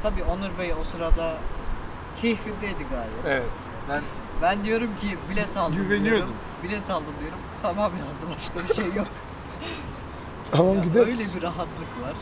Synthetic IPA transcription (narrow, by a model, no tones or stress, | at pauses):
t̪ʰabiːonuɾbejo̞sɯɾad̪a | cʰejifind̪ejd̪iɡaːjlɛeɛt̪ | bænd̪ijo̞ɾumcʰibilʲɛt̪ʰalˠyvenijoum | bilʲɛt̪ʰalˠd̪ɯmd̪ijo̞ɾumt̪ʰamamjazd̪ɯmbaʃkabiʃejːok | t̪ʰamamɟid̪eøjlʲebiɾaɦat̪lˠɯkvaɾ̥